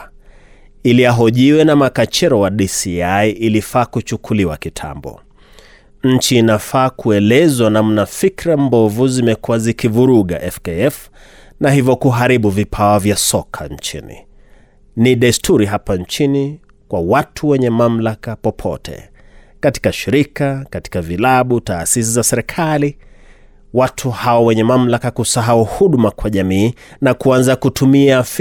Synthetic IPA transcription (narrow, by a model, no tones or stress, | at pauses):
iliaɦɔʄiwɛnamakat͡ʃɛɾɔwaɗisiaiʔilifaːkut͡ʃukʰuliwakitʰa̰mbɔ̰ | ɲ̩t͡ʃiːnafaːkʰuɛlɛzwanam̩nafikɾambɔvuzimɛkuwazikivuɾuɠa̰ʔɛfkɛɛf | naɦivjɔkuɦaɾiɓuvipʰaɔvjasɔkʰa̰ɲ̩t͡ʃḭnḭ | niɗastʰuɾiɦapant͡ʃini | kwawatʰuwɛɲɛmam̩lakapɔpʰɔ̰tʰɛ̰ | kati̥kaʃiɾikakati̥kavilaɓutaːsis̬izasɛɾɛkʰali | watʰuhawawɛɲɛmam̩lakakusaɦauhuɗmakwaʄamiː | nakuanzakutʰumiaf